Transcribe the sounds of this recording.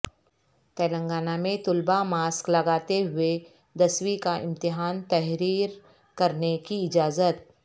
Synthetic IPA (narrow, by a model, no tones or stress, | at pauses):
t̪ɛːlə̃ŋɡaːnamẽt̪ʊlbamaːsklɐɡaːt̪eɦʊe | d̪ɐswikaʔɪ̰̃mt̪ɪɦaːnt̪ɛɦɾiːɾ | kɐɾnekiɪd͡ʒaːzət̪̚